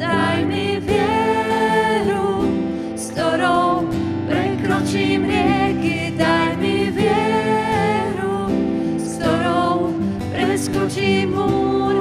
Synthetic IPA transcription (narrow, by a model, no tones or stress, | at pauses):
d̪ajmivjɛ | ɾu | st̪oɾɔw | pɾekɾut͡ʃimɾjɛɡi | d̪ajmivjɛ | ɾu | st̪oɾɔw | pɾeskut͡ʃimu